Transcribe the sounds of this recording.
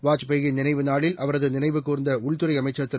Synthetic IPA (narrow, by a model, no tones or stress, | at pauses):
ʋaːt͡ʃpeɣɪnɪnɐɪʋɯnaːɭɪlʔɐʋɐɾɐðɯnɪnɐɪʋɯkːuːɾɪnd̪ɐʊɭt̪ɯɾɐɪɐmɐɪt͡ʃːɐt̪ːɪ